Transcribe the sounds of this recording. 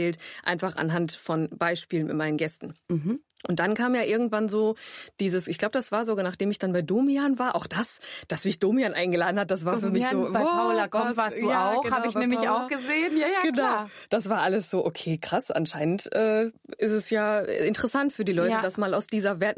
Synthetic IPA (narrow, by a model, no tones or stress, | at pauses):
ɛːltʔa̰ɪnfaχʔa̰nɦantfɔnb̥aɪʃpiːlənmɪ̰tmaɪnənɡɛstn̩ | ʔʊnt̚d̥ankʰaːmjaːʔɪɐɡŋ̩tv̥anzoːd̥iːzəsʔɪçɡ̥laʊbəd̥asv̥aːɐzoːɡanaːχd̥eːmɪçd̥anbaɪdoːmianvaːɐʔa̰ʊxd̥asd̥asmɪçd̥oːmianʔaɪnɡəlaːdn̩hat̚d̥as̬v̥aːɐfyːɐmɪçzoːaɪaʊlakɔvaːsuaʊhaːbɪçnnɛːmɪçaʊxɡ̥əzeːənjajaɡənaʊ | d̥asv̥aːɐʔaləsz̥oːʔokʰeːkʁ̥asʔa̰nʃaɪnəntʔɛː | ʔɪstɛsjaːɪntəʁəsantfyːɐdiːlɔʏtəd̥asmaːlaʊsd̥iːzɐvɛɐt